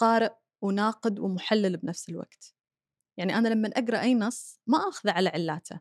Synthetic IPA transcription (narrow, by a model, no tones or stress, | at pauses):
qɑːɾɪʔ | wnaːqɨd̪wɪmʊħalːalbnafsɪlwa̰ɡ̥t̪ | jaʕniʔanalamːanʔaɡɾˤɑʔajːnɑsˤːmaʔaːxʊðaʕalaʕɪlːaːt̪ʰa̰